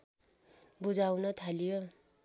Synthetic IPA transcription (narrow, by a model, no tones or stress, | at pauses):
bud͡zawnʌt̪ʰalijo